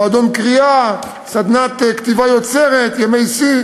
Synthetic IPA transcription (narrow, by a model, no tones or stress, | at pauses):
ad̪o̞nkʁia | sad̪nat̪kt̪ivajo̞t͡se̞ʁet̪jemejsi